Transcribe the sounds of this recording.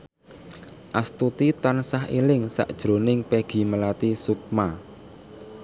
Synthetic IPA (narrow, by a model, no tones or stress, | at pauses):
ʔast̪ut̪it̪ansahḭlɪŋsa̰ʔd̥ʒ̥ɾo̤nɪŋpeɡ̥i̤məlat̪isup̚ma